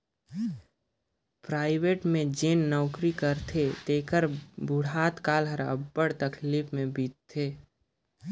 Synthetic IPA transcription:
pɾaːɪweːʈmẽd͡ʒeːnːɔːkɾikəɾt̪ʰet̪eːkəɾbʊɽaːt̪kaːlɦəɾə̰bːəɽt̪əkʰliːpʰmẽbiːt̪t̪ʰːeː

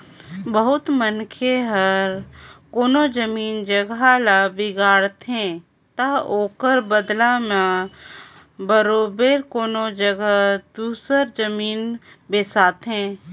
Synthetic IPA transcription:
bəɦʊt̪mənkʰeɦəɾkoːnod͡ʒəmiːnd͡ʒəɡalabɪɡaːɽt̪ɦeɛ̃ | t̪aoːkəɾbəd̪lamã | bəɾoːbeɾkoːnod͡ʒəɡad̪uːsəɾd͡ʒəmiːn | beːsaːt̪ɦɛ̃ː

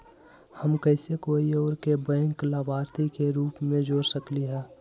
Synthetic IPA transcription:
həmkəɪsekoːioːɾkebə̃ːɪŋklabaːɾt̪ikeɾuːpmẽd͡ʒoːɾsəkliɦɛː

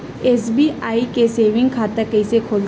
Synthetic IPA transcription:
eːsbiːaːikeseːʋɪ̃ŋɡkʰaːt̪əkəɪsekʰoːl

